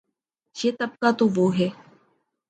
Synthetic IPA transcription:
jeːt̪əb̚kaːt̪oːʋoːɦɛː

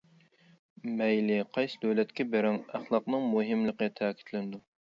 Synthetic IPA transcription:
mɛjlɪqʰɑjsɨd̪øwlɛt̪kʲɛbeɾɪŋæχlˠɑqnɨŋmuɦɪmlˠəqət̪ʰæːkʲʰi̥t̪ʰlɪnɪd̪u

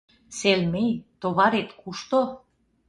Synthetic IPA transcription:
selmejt̪oβɑɾet̪kuʃt̪o

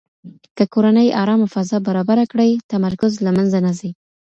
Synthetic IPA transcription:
kəkoɾanəjʔɑɾɑmafazɑbaɾɑbaɾakɽəjt̪amaɾkʊzlamanzanazi

